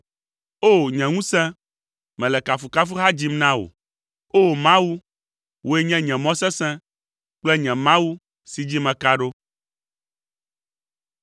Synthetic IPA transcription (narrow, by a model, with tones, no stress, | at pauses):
o˦˨ɲɛ̃˨ŋũ˦sɛ̃˦ | mɛ̃˨lɛ˨ka˨fu˨ka˦fu˦ɦa˦d͡ʑi˦mnã˦wo̰˨ | o˦˨mã˦wu˦ | wʔo˦e˦ɲɛ̃˦ɲɛ̃˨mɔ̃˦sɛ̃˦sɛ̃˦ | k͡plɛ˦ɲɛ̃˨mã˦wu˦ | si˨d͡ʑi˦mɛ̃˨ka˦ɖo˦